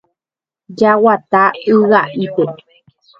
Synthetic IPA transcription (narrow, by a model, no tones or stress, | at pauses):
d͡ʒawat̪aɨɣaʔipe